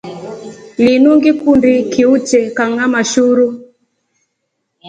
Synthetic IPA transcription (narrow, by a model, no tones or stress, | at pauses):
linuŋɡikundikiut͡ʃɛkaŋamaʃuɾu